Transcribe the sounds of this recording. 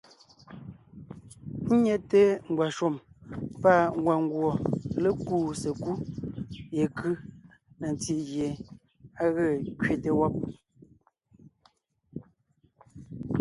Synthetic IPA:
n̩˦ɲe˦te˦ŋ̩˨ɡwa˨ʃo˦˨mpa˦˨ŋ˦ɡwa˨ŋ˦ɡwo˨le˦kuː˦se˨ku˦ | je˨kɯ˦ | ne˨n˨ti˦ʔɣje˨ | a˦ɣə˦˨kɥe˦˨te˨wɔ˦p̚

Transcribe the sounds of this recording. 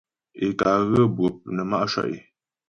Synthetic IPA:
e˨ka˨ɣə˦bwə˨p̚nə˨ma˦ʔʃwa̰˨ʔḛ˨

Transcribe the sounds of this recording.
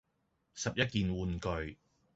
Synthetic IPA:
sɐ˨p̚jɐ˥t̚kiː˨nwuː˨nkɵ˨ɥ

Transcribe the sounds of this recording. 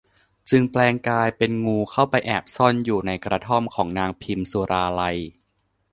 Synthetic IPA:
t͡ɕɯ˧ŋplɛː˧ŋkaː˧jpe˧nŋuː˧kʰa˥˩wpa˧jʔɛː˨˩p̚sɔ˥˩njuː˨˩na˧jkɾa˧t̪ʰɔ˥˩mkʰɔː˩˦ŋnaː˧ŋpʰi˧msu˧ɾʔaː˧la˧j

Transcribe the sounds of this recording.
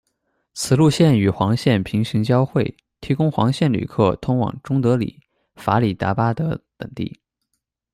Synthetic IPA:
t͡sʰɹ̩˨˩lu˥˧ɕjɛ˥˩ny˨˩xwɑ˧˥ŋɕjɛ˥˩npʰi˧˥ŋʂi˧˥ŋt͡ɕjɑ˥ʊxwe˥˩ɪ | t̪ʰi˧˥kʊ˥ŋxwɑ˧˥ŋɕjɛ˥˩nly̰˨˩kʰɤ˥˩t̪ʰʊ˥ŋwɑ̰˨˩ŋʈ͡ʂʊ˥ŋt̪ɤ˧˥lḭ˨˩˦ | fa˧˥li˨˩t̪a̰˧˥pa˥d̪ə̰˨t̪ə̰˨˩ŋt̪ḭ˥˩

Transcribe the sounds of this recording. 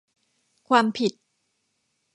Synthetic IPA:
kʰwaː˧mpʰi˨˩t̪̚

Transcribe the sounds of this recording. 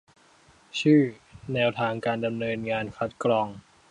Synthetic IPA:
t͡ɕʰɯː˥˩nɛː˧wt̪ʰaː˧ŋkaː˧nda˧mnɤː˧nŋaː˧nkʰa˦˥t̪̚kɾɔː˧ŋ

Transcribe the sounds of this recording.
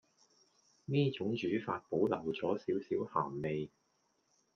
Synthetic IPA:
niː˥t͡ʃʊ˨˥ŋt͡ʃyː˨˥faː˧t̚po˨˥wlɐ˨˩wt͡sɔː˨˥siː˨˥wsiː˨˥wha̰ː˨˩mme˨j

